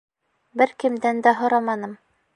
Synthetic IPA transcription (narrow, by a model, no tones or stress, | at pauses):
bɘɾkɘ̆md̪ænd̪æɦŏɾɑmɑnɤm